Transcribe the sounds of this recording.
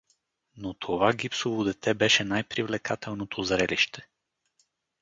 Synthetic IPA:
not̪ʰovaɡʲipsovod̪ɛt̪ʰɛbɛʃɛnajpɾivlɛkat̪ʰɛlˠnot̪ʰozɾɛliʃt̪ʰɛ̥

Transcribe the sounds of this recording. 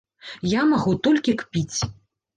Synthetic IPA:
jamaɣut̪ɔlʲkʲikpʲit͡sʲ

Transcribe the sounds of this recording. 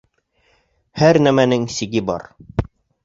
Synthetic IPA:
hæɾnæmænɘŋsiɡɘbɒ̰ɾ

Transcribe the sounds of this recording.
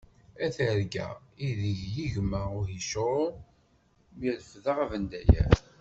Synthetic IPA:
æθəɾɡæ̰iðiʝjiʝməʁʊhiʃoɾ | miləfðəʁævənd̪æjæ̰

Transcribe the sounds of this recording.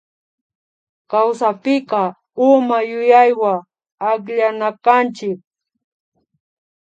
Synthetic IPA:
kawsapɪkɑ | ʊmajʊjajwa | akʎanakant͡ʃɪk̚

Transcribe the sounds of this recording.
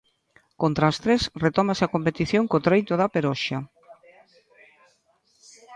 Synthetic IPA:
kont̪ɾaːst̪ɾesret̪ɔmasɪakompet̪iθjoŋkot̪ɾejt̪oðapeɾɔʃa

